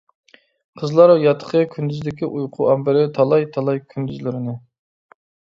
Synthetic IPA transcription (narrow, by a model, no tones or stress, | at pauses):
qʰəzlˠɑɾjɑt̪ʰə̥qʰəkʲʰynd̪yzd̪ɪkʲiʔujqʰʊʔɑmbɪɾɪt̪ʰɑlˠɑjt̪ʰɑlˠɑjkʲʰynd̪yzlɪɾɪnɪ